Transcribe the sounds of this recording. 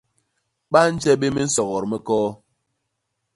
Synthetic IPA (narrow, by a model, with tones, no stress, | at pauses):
ɓa˦n̩˦d͡ʒɛ˦ɓe˦me˦n̩˦sɔ˨ɣɔ˨ɾmɛ˦kɔː˦